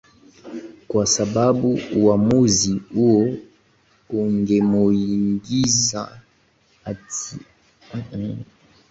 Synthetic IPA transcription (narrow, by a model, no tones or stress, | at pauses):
kwasababuwamoziojo | oŋɡemojiŋɡiza | ati